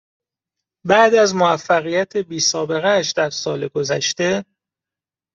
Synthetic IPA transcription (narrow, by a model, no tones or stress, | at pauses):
bæd̪æzmoæfːæɣijæt̪ʰe̞biːsɒːbe̞ɣæʃd̪æɾsɒːleɡo̞zæ̰ʃt̪e̞